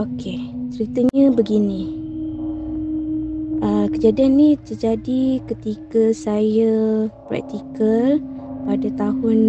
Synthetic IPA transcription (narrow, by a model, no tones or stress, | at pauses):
oket͡ʃəɾit̪əɲə̃bəɡinĩ | əkəd͡ʒadianːit̪ərd͡ʒadikət̪ikəsajəpɾa̰k̚t̪ikəlpadat̪aɦʊn